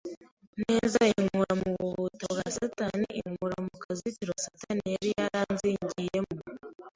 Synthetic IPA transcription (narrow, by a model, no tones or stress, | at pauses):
neːzaiŋuɾamuβuβutobɡasataniiŋuɾamukazitiɾosatanijaɾijaɾaːnziɲɟijemu